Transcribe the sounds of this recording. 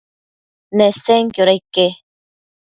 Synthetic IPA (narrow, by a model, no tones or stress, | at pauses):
neseŋkjoɾajke